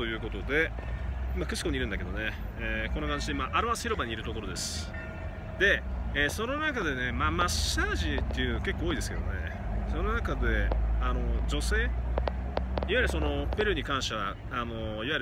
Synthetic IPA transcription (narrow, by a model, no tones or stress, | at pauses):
t̪o̞jɯ̟ːko̞t̪o̞d̪e̞ | imakɯ̟ɕi̥ko̞ɲiɾɯ̟̃nd̪ake̞d̪o̞neeːko̞nokãnd͡ʑid̪emaʔaɾɯβasɨ̥çiɾo̞baɲ̟iːɾɯ̟t̪o̞koɾo̞d̪esɨ̥ | d̪e̞eːso̞no̞nakad̪e̞ne̞mamaɕaːʑit̪ːe̞jiɯ̟noake̞kːoːid̪e̞sɨ̥ked̪o̞̰ne̞̰ | so̞no̞nakad̪e̞ano̞d͡ʑo̞se̞ː | iβaiɾɯ̟so̞no̞pe̞ɾɯ̟ɲ̟ikãɰ̃ɕaβa | ano̞ | iβaiɾ